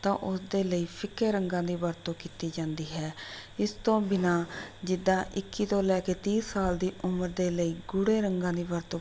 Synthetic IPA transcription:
t̪ã̰ːʔʊsd̪eːləiːpʰɪkːeːɾəŋɡãːd̪iːbəɾt̪õːkiːt̪iːd͡ʒãːnd̪iːɦɛːɪst̪õːbɪnãːd͡ʒɪd̪ːãːʔɪkːiːt̪õːlɛːkeːt̪iːsaːld̪iːʔʊməɾd̪eːləiːɡʊɽeːɾəŋɡãːd̪iːbəɾt̪õː

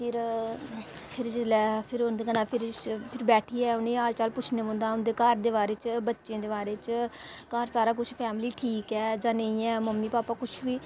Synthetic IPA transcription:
pʰɪɾ | pʰɪɾd͡ʒɪlɛːpʰɪɾond̪eːkənaːpʰɪɾpʰɪɾbɛːʈʰiːɛːʊnẽːaːlt͡ʃaːlpʊt͡ʃʰneːmõːnd̪aːʊnd̪eːkaːɾd̪eːbaːɾeːt͡ʃbətːʃẽːd̪eːbaːɾeːt͡ʃkaːɾsaːɾaːkʊt͡ʃʰpʰɛːmliːʈʰiːkɛːd͡ʒãːnəĩːɛːməmːiːpaːpaːkʊt͡ʃʰʋiː

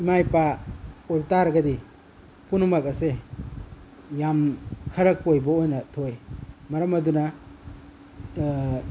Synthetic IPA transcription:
imajpaojptaɾɡɐdi | punumɐkɐse | jamkʰɐɾɐk̚ojbɐojnɐtʰojmɐɾɐmɐdunɐ

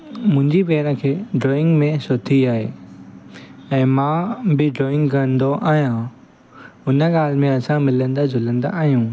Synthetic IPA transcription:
mʊ̃ɦɪ̃ɲd͡ʑiʋeːɾə̃kʰeːɖɾoːɪ̃ŋɡmẽsʊt̪ʰiaːɦḛː | ɛ̃ːmãːbɪɖɾoːɪ̃ŋɡkɐə̃nd̪oʔaːɦijã | ʊnə̆ɠaːl̤ɪmẽɐsãmɪlə̃nd̪azʱʊlə̃nd̪a̰ʔaːɦijũː

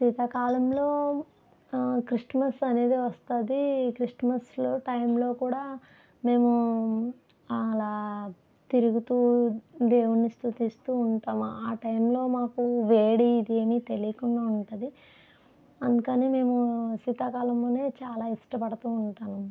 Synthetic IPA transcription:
siːt̪aːkaːlɐmlo̞ː | kɾiʂmɐsɐne̞ːd̪iʋɐst̪ɐd̪ikɾiʂʈmɐsloːʈɐjmlo̞ːkuːɽaː | me̞ːmu | ɐlaː | t̪iɾuɡut̪uːd̪eːwunːist̪ut̪ist̪uːɳʈaːmṵaːʈɐjmlo̞ːmaːkuʋeːɽiːd̪eːmit̪e̞lijkunɖaːuɳʈɐd̪i | ɐnd̪ukɐneːme̞ːmusiːt̪aːkaːlɐmlo̞ːne̞ːt͡ʃaːlaːiʂʈɐpɐɽɐt̪uːɳʈaːnu

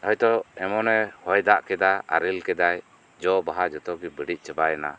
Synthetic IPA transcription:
ɔjt̪ɔɛmɔnɛhɔjd̪aʔkɛd̪aa̰ɾilkɛd̪aj | d͡ʒɔbaɦad͡ʒɔt̪ɔɡibiɖic̚t͡ʃəbajana̰

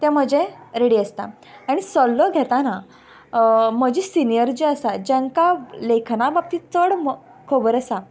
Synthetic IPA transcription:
t̪ãm̤əd͡ʑẽɾeɽiəst̪a̰ | aɽ̃isɔlːɔɡʱet̪ana | m̤əd͡ʑisinijəɾd͡ʑiəsad͡ʑaŋkalekʰnabab̚t̪iːt͡səɽm | kʰobəɾəsa

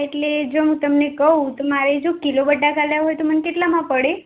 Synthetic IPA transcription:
eʈled͡ʒoɦũt̪əmnekəɦũt̪omaɾed͡ʒokilobəɖʱːakalaɦojt̪omənekeʈlamãpəɽe

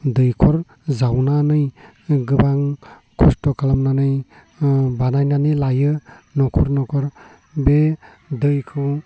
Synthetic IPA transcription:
dɯjkʰɔɾ | zawnanɯj | ɡɯbaŋ | kʰustɔkʰalamnanɯj | banajnanɯlajɯnɔkʰɔɾnɔkʰɔɾ | be | dɯjkʰɯ

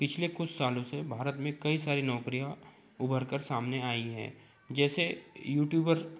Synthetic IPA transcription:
pɪt͡ʃʰlekʊt͡ʃʰsaːlõsebʱaːɾət̪mẽkɐisaːɾinɔːkɾija | ʊbʱəɾkəɾsaːmneaːiɦɛ̰̃ː | d͡ʒɛːsejuːʈjuːbəɾ

